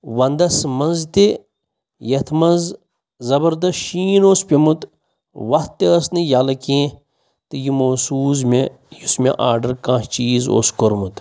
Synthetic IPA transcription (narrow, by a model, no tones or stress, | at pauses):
ʋɐnd̪ɐsmɐnzt̪i | jɐt̪ʰmɐnz | zɐbɐɾd̪ɐsʃiːnoːspʲemut̪ | ʋɐht̪ːeɐsnijalɐkẽː | t̪ɨjimoːsuːzme | jusmḛʔaːɾɖɐɾkãːt͡ʃiːzo̰ːskoɾmut̪